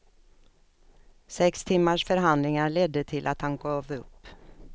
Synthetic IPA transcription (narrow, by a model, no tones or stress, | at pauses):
sɛkst̪ʰɪmːaʂfœɾɦand̪lɪŋaɾɭɛd̪ːət̪ʰɪlʔat̪hanɡɑːvɵpː